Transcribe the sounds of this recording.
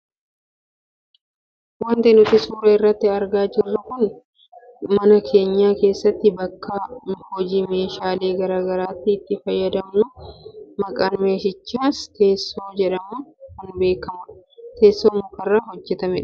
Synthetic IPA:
wɐnt̪ɛnʊt̪ɪsuːɾɐɪrːɐt̪ːɪɐɾɡaːd͡ʒɪrːʊkʊn | mɐnɐkʰe̞ːɲːaːke̞ːsːɐt̪ːɪbɐkːɐhɔd͡ʒiːme̞ːʃaːle̞ːɡɐɾaːɡɐɾaːt̪ːɪːt̪ːɪfɐjːɐd̪ɐmnʊmɐkʼaːnme̞ːʃɪt͡ʃːaːst̪ʰe̞ːsːo̞ːd͡ʒɛᶑɐmʊkʊnbe̞ːkːɐmɐᶑ | t̪e̞ːsːoːmʊkɐrːɐɦɔd͡ʒːɛt̪ɐmɛᶑ

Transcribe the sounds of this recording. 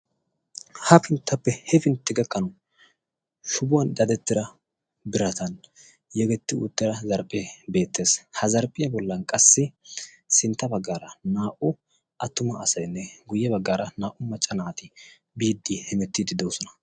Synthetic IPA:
hɐfɪnt̪ːɐpːɛhɛfɪnt̪ːɪɡɐkːɐnʊ | ʃʊbʊwɐnd̪ɐd̪ɛt̪ːɪɾɐ | bɪɾɐt̪ɐn | jɛɡɛt̪ːɪṵt̪ːɪɾɐzɐɾpʼːebe̞ːt̪ːe̞ːshɐzɐɾpʼːɪjɐbɔlːɐnkʼɐsːɪ | sɪnt̪ːɐbɐɡːaːɾɐnaːʔʊ | ʔɐt̪ːʊmɐːsɐjnːɛɡʊjːɛbɐɡːaːɾɐnaːʔʊmɐt͡ʃʼːɐnaːt̪ɪ | biːd̪ːihɛmɛt̪ːiːd̪ɪd̪oːsɔnɐ̥

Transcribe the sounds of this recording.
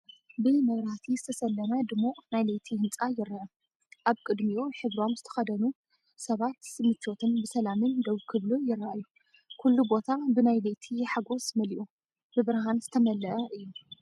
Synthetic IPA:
bɨmɐβɾaht̪ʰizɨt̪ʰɐsɐlːɐnad̪ɨmːonajlejt̪ʰihɨnt͡sʼajɪɾaʕɐ | ʔaβkʼɨd̪mioħɨβɾo̞mzɨt̪ʰɐ̥xɐd̪ɐnu | sɐβat̪sɨmɨt͡ʃːot̪ʰɨnbɨsɐlamɨnd̪oβkʰɨβlujɪɾːaʔajːu | kʰulːubo̞t̪ʰabɨnajlejt̪ʰiħaɡo̞smɐliʔu | bɨβɨɾɦanz̥ɨt̪ʰɐmɐlːɐʔɐʔɨjːu

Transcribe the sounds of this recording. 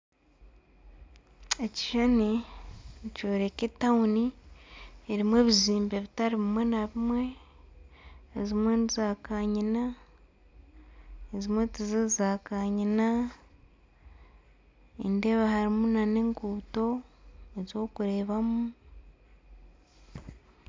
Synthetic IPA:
eci̥ʃani | co̞ːɾe̞ketauni | eɾimwe̞ːβiziːmbe̞βitaɾiβimwe̞naβimwe̞ | ezimwe̞nizaːkaɲina | ezimwetizezaːkaɲina | ḭnde̞βahaɾimunaneŋkuːto̞ezo̞ːkuɾe̞ːβamu

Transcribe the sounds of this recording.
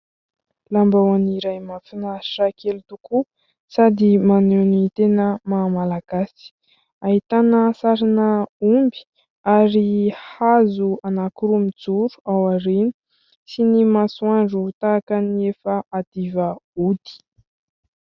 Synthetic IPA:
lambawaniɾajmafinaʈ͡ʂakʰelut̪uku | sad̪imanenit̪enəmamalaɡ̥asi̥ | aɦit̪anəsaɾanəumbi̥ | aɾihazuanakuɾumid͡zuɾuawaɾeni̥ | sinimasuaɳɖ͡ʐut̪akaniefəad̪̥ivəud̪̥i̥

